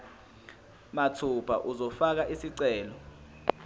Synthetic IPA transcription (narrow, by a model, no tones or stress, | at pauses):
matʰupʰa̰ʔuzɔfak̬aʔisiǀɛːlɔ